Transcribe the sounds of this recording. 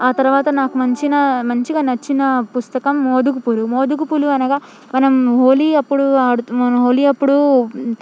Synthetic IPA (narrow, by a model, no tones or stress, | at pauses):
aːt̪ɐɾuʋaːt̪ɐnaːkumɐɲt͡ʃinɐmɐɲt͡ʃiɡaːnɐt͡ʃːinɐpust̪ɐkɐmːoːd̪ukupulumoːd̪ukupuluɐnɐɡaː | mɐnɐmɦoːliɐpːuɽuaːɽuɐnɐɦoːliɐpːuɽu